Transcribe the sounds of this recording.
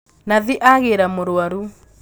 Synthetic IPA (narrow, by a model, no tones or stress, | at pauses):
naðiʔaɣeɾamoɾwaɾu